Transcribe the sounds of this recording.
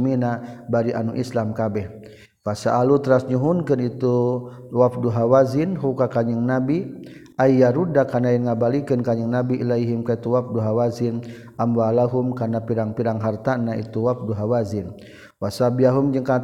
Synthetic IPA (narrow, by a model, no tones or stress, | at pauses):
minabaɾiʔanuʔḭslamkabɛh | wasaʔalut̪əɾasɲuɦunkənit̪uwafduɦawazinɦukakaɲəŋnabi | ʔaijaɾudakanainŋabalikənkaɲəŋnabiʔilajɦimkait̪uwaf̚duɦawazin | ʔamwalaɦumkanapiɾaŋpiɾaŋɦart̪anaḭt̪uwaf̚duɦawazin | wasabiaɦumd͡ʒəŋka